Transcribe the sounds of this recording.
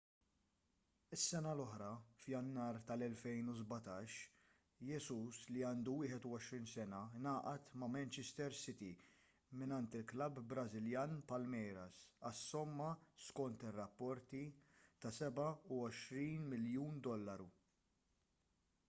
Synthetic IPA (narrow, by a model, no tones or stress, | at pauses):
ɪsːɛnɐlɔħɾɐfjɐnːɐːɾt̪ɐlɛlfɛjnuzbɐt̪ɐːʃ | jɛsuːsliɐːnd̪uwɪːħɛt̪ʊwɔʃɾiːnsɛnɐnɐːʔɐt̪mɐmɛnt͡ʃɛst̪ɛɾsɪt̪i | mɪnɐnt̪ɪlklɐbːɾɐzɪljɐːnpɐlmɛjɾɐsɐsːɔmːɐskɔnt̪ɪrːɐpːɔɾt̪it̪ɐsɛbɐʊɔʃɾiːnmɪljuːnd̪ɔlːɐɾu